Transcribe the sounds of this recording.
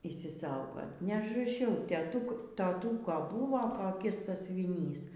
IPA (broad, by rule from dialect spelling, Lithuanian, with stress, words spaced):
ɪʃʲsʲɪˈsɐʊɡoːt nʲɛɐʒrɐˈʃʲɛʊ tʲɛˈtʊk toːˈtuːkoː ˈbuːʋoː koːˈkʲɪs sɑːsʲʊʋʲɪˈnʲiːs